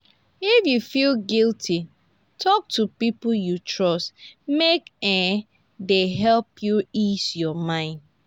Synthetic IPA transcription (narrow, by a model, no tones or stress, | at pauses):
ifjufilɡilˠtʰi | tʰɔk̚tʰupip̩jutʰɹɔstmekɛ̃ | deɦɛlpjuisjɔmãɪ̃nd